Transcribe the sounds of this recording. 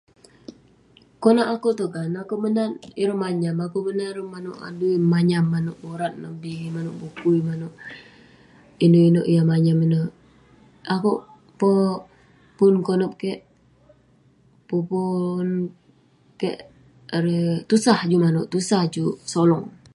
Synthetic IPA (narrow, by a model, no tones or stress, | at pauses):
konaʔakoʔt̪ukanakoʔbənaniɾəmaɲamakuʔbənaɾəmanoʔa̰duimaɲamːanoʔoɾat̪̚namdimanoʔbukuimanoʔ | inoʔinoʔjamaɲamino | akoʔ | po | pʊnkonɔp̚keʔ | pɔpun | keʔ | ɾet̪usahd͡ʒumanoʔt̪usahd͡ʒusolɔŋ